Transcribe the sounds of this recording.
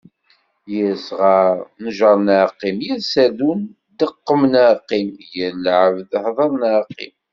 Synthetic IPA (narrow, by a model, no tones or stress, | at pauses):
jəsʁɑɾˤnəʒəɾˤnəqːimjæsæðun | d̪əqːəmnəqːimjəlʕəvðhðˤɑɾˤnaqːḭm